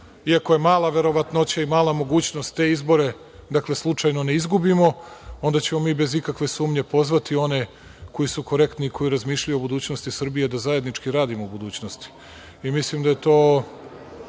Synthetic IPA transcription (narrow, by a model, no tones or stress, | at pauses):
iako̞je̞maːlaʋe̞ɾo̞ʋat̪not͡ɕaimaːlˠamo̞ɡuːt͡ɕnost̪ːe̞ːizbo̞ɾe̞ | d̪akle̞slˠut͡ʂajno̞ne̞izɡubimo̞o̞nd̪at͡ɕe̞mo̞miːbe̞zikakʋe̞suːmɲe̞po̞zʋat̪io̞ne̞ | ko̞jisuko̞ɾe̞kt̪niikʰo̞jiɾazmiːʃʎajuobud̪uːt͡ɕno̞st̪isr̩bije̞d̪azaje̞d̪nit͡ʂkiɾaːd̪imoubud̪uːt͡ɕnost̪i̥ | imislimd̪aje̞t̪o̞ː